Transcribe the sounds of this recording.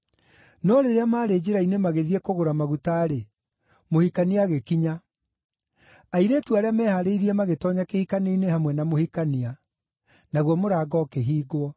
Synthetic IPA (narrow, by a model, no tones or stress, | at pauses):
nɔɾeɾeamaːɾeːd͡ʑeɾainemaɣeðiɛkoɣoɾamaɣutaːɾe | mohikaniaɣekiɲa | aiɾetuaɾeamɛhaɾeiɾiɛmaɣetɔɲakehikaneinehamwɛnamohikania | naɣwɔmoɾaːɡɔkeɦiːɡoɔ